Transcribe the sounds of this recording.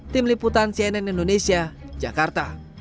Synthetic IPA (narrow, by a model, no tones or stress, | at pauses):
t̪ɪmliput̪ansiɛnɛnindonesiad͡ʒakart̪a